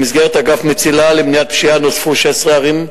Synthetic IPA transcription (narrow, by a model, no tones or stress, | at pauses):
mizɡeʁet̪aɡafmet͡silalemnijat̪̚pʃianosfuʃesʁeaʁim